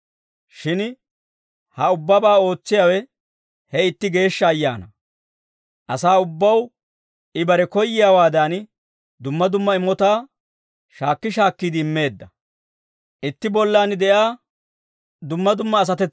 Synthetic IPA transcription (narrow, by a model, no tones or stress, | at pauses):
ʃɪn | hɐʊbːɐbaːo̞ːt͡sːɪjawɛ | hɛɪt̪ːɪɡe̞ːʃːɐːjːa̰ːnɐ | ʔɐsaːʊbːɐw | ʔɪbɐɾɛkɔjːɪjaːwaːd̪an | d̪ʊmːɐd̪ʊmːɐɪmːɔt̪aː | ʃaːkːɪʃaːkːiːd̪ɪɪmːe̞ːd̪ːɐ | ʔɪt̪ːɪbɔlːaːnd̪ɛʔjaː | d̪ʊmːɐd̪ʊmːɐːs̬ɐt̪ɛt͡sː